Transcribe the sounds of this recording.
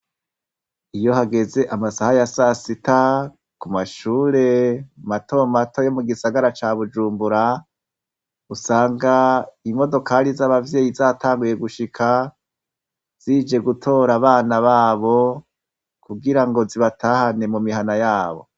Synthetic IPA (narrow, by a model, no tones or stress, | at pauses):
ijo̞haɡe̞ze̞ʔamasahajasasita | kumaʃuːɾe̞mato̞mato̞jo̞muɡisaɡaɾat͡ʃaːβud͡ʒuːmbuɾa | usaːŋɡaimo̞do̞kalizaβavje̞ːjizaːtʰaːŋɡuje̞ɡuʃikʰa | z̥iːd͡ʒe̞ɡutʰo̞ːɾaβaːnaβaːβo̞ | kuɡiɾaŋɡo̞ziβatʰahane̞mumiɦanajaːβo̞̰